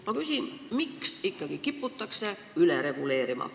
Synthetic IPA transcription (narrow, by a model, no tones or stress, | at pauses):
mɑkysʲinmiksikːɑɡ̥ikipːut̪ːˑɑkse̞ | yleɾe̞ɡ̥ule̞ːɾimɑ̰